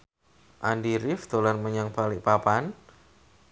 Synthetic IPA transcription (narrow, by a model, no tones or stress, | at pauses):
ʔandiɾɪfd̪̥o̤lanməɲaŋb̥alɪʔpapan